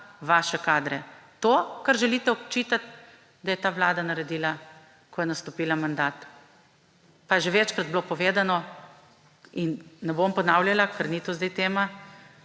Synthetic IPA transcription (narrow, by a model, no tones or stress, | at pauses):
ʋaːʃɛkaːd̪ɾɛt̪oːkaɾʒɛlit̪ɛɔkt͡ʃit̪at̪ | d̪ɐjɛt̪aːʋlaːd̪anɐɾɛd̪iːla | kɔjɛnast̪ɔpiːlamand̪aːt̪ | pajɛʒeʋɛt͡ʃkɾad̪̚bloːpɔʋeːd̪anɔ | inːɛbompɔnawljalakəɾnit̪ozd̪ajt̪eːma